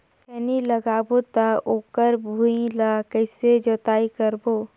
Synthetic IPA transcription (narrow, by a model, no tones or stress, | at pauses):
kɛniləɡaːbot̪aoːkəɾbʱuĩlaːkəɪsed͡ʒoːt̪aːikəɾboː